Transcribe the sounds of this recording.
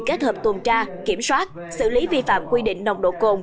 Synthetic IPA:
ke˦˥t̚həː˨˩p̚t̪u˨˩ənt͡ɕaː˧ki˧˩əmswaː˦˥t̚ | sɨ̰˧˨li˨˦vi˧fa̰ː˧˨mkwi˧ɗḭ˧˨ŋ̟ɗə˨˩wŋ͡mɗo̰˧˨ko˨˩ŋ͡m

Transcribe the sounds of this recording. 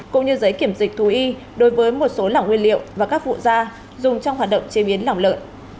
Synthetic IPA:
kʊ̰˧˥ŋ͡mɲɨ˧zə˨˦jki˧˩əmzï˨˩k̟̚t̪ʰu˨˦ʔi˧ | ɗo˨˦jvəː˨˦jmo˨˩t̚so˨˦la̰˧˨˩ŋwi˧ənlḭ˧˨əwvaː˨˩kaː˦˥k̚vṵ˧˨zaː˧ | zʊ˨˩ŋ͡mt͡ɕɔ˧wŋ͡mɦaː˨˩t̚ɗə̰˧˨wŋ͡mt͡ɕe˨˦ɓi˨˦ənla̰˧˩wŋ͡mlə̰ː˧˨nʔ

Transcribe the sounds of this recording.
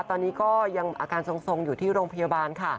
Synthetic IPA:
t̪ɔː˧nːiː˦˥kɔː˥˩ja˧ŋʔa̰ː˧kaː˧nso˧ŋso˧ŋjuː˨˩t̪ʰiː˥˩ɾoː˧ŋpʰa˧jaː˧baː˧nkʰa˥˩

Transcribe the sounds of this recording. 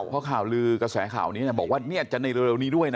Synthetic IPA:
wpʰɔː˦˥kʰaː˨˩wlɯː˧kɾa˧sɛː˩˦kʰa̰ː˨˩wniː˦˥ni˥˩bɔː˨˩k̚waː˥˩ni˦˥˩ət̪̚t͡ɕa˨˩na˧jɾɯ˧ɾe˧wniː˦˥du˥˩əjna˦

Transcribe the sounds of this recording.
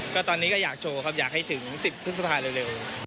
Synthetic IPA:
kɔː˥˩t̪ɔː˧nːiː˦˥kɔ˥˩jaː˨˩k̚t͡ɕʰoː˧kʰa˦˥p̚jaː˨˩k̚ha˥˩jt̪ʰɯ˩˦ŋsi˨˩pʰːɯ˦˥t̪̚sa˧pʰaː˧ɾeː˧wɾe˧w

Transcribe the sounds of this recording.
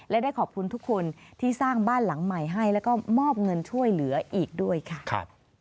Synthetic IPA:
lɛ˦˥daː˥˩jkʰɔː˨˩p̚kʰu˧nt̪ʰu˦˥kʰːo˧nt̪ʰiː˥˩saː˥˩ŋbaː˥˩nla˩˦ŋma˨˩jɦa˥˩jlɛː˦˥wkɔː˥˩mɔː˥˩p̚ŋɤ˧nt͡ɕʰu˥˩əjlɯ˩˦ɐʔiː˨˩k̚du˥˩əjkʰa˥˩kʰa̰˦˧˩p̚

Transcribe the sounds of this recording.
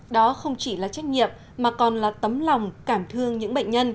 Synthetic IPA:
ɗɔ˨˦xə˧wŋ͡mt͡ɕi˧˩laː˨˩t͡ɕa˦˥jk̟̚ɲḭ˧˨əm | maː˨˩kɔ˨˩nlaː˨˩t̪ə˨˦mla˨˩wŋ͡mkaː˧˩mt̪ʰɨ˧əŋɲɨ̰˧˥ŋɓə̰˧˨jŋ̟ɲə˧n

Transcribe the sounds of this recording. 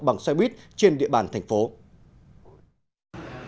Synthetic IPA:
ɓa˨˧˩ŋsa˧ɓwi˦˥t̚t͡ɕe˧nɗḭ˧˨əɓaː˧˩nt̪ʰa˨˩jŋ̟fo˨˦

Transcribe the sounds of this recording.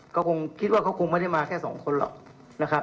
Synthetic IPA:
kɔː˥˩kʰo˧ŋkʰi˦˥t̪̚waː˥˩kʰa˦˥˩wkʰo˧ŋma˥˩jda˥˩jmaː˧kʰɛː˥˩sɔ̰ː˩˦ŋkʰo˧nlɔ̰ː˨˩k̚ | na˦˥kʰa˦˥p̚

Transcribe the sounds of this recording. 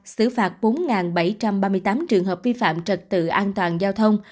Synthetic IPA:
sɨ˧˩faː˨˩t̚ɓo˨˦nŋaː˨˩nɓa˧˩jt͡ɕa˧mɓaː˧mɨ˧əjt̪aː˨˦mt͡ɕɨ˨˩əŋɦəː˨˩p̚vi˧fa̰ː˧˨mt͡ɕə˨˩t̚t̪ɨ̰˧˨ʔaː˧nt̪waː˨˩nzaː˧wt̪ʰə˧wŋ͡m

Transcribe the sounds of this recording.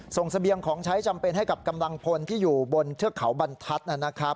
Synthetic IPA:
so˨˩ŋsa˧bi˧əŋkʰɔː˩˦ŋt͡ɕʰa˦˥jt͡ɕa˧mpe˧nha˥˩jka˨˩p̚ka˧mla˧ŋpʰo˧nt̪ʰiː˥˩juː˨˩bo˧nt̪ʰɯ˥˩əkʰa˩˦wba˧nt̪ʰa˦˥t̪̚ʔa˧˩nːa˦˥kʰɾa˦˥p̚

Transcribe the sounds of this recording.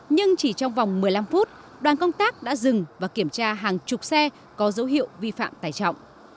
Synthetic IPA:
ɲɨ˧ŋt͡ɕi˧˩t͡ɕɔ˧wŋ͡mva˨˩wŋ͡mmɨ˨˩əjla˧mfu˦˥t̚ | ɗwaː˨˩nkə˧wŋ͡mt̪aː˦˥k̚ɗa̰ː˧˥zɨ˨˩ŋvaː˨˩ki˧˩əmt͡ɕaː˧ɦaː˨˩ŋt͡ɕʊ˨˩k͡p̚sɛ˧ | kɔ˨˦zə˨˦wɦḭ˧˨əwvi˧fa̰ː˧˨mt̪aː˧˩jt͡ɕɔ̰˧˨wŋ͡mʔ

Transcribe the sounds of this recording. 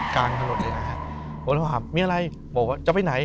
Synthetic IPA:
kaː˧ŋt̪ʰa˧lo˨˩t̪̚lɤː˧na˧˩kʰa˧˥˩ʔʰ | ɔː˨˩lːɦaː˨˩mmiː˧ʔa˧ɾa˧j | bɔː˨˩k̚waː˧˥˩t͡ɕa˨˩pa˧jna˨˩˦j

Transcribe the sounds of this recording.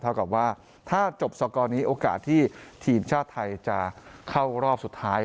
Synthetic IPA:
t̪ʰa˧˩wka˨˩p̚waː˥˩ | t̪ʰaː˥˩t͡ɕo˨˩p̚sɔː˧kɔː˧niː˦˥ʔoː˧ka̰ː˨˩t̪ʰːiː˥˩t̪ʰiː˧mt͡ɕʰaː˥˩t̪ʰːa˧jt͡ɕa˨˩kʰa˥˩wɾɔː˥˩p̚su˨˩t̪ʰːaː˦˥

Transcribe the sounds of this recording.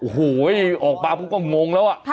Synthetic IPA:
ʔo˨˧˩huː˩˦jʔɔː˨˩k̚baː˧ko˧˦ŋkɔː˥˩ŋo˧ŋlɛː˦˥wʔa˨˩ʔ

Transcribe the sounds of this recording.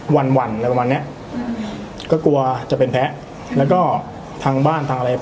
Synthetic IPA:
wa˧nwa˧nla˧˩pmaː˧nːi˦˥ɐʔ | kɔː˥˩ku˧ɐt͡ɕa˨˩ʔpe˧npʰɛ˦˥ʔ | lɛː˦˥wkɔː˥˩ | t̪ʰaː˧ŋbaː˥˩nt̪ʰaː˧ʔa˧ɾa˧j

